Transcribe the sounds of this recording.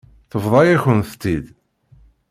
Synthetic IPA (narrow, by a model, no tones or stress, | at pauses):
θəvðˤɑjæçənθə̥t̪ːid̪